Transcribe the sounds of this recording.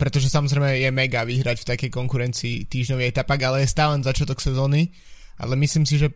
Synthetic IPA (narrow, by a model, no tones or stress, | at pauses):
pɾɛt̪ɔʒɛsamɔzɾɛɪmɛjɛmɛɡaʋiɦɾacft̪akɛjkɔŋkuɾɛnt͡siːt̪iːʒɲɔʋiɛt̪apaɡalɛjɛst̪aːlɛnvzat͡ʃɪat̪ɔksɛzɔːni | ʔa̰lɛmisliːmsiʒɛ